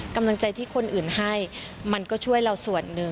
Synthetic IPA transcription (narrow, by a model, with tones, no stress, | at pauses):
ka˧mla˧ŋt͡ɕa˧jt̪ʰiː˥˩kʰo˧nʔɯː˨˩nha˥˩j | ma˧nkɔː˥˩t͡ɕʰu˥˩əjɾa˧wsu˨˩ənːɯ˨˧